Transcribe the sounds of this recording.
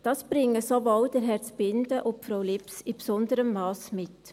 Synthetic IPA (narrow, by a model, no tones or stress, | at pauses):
d̥ɑsb̥ɾɪŋːəsovɔld̥əɾɦɛt͡sb̥ɪndəʔʊfɾoʊlɪpsɪpsɔndəɾəmːɑːsmɪt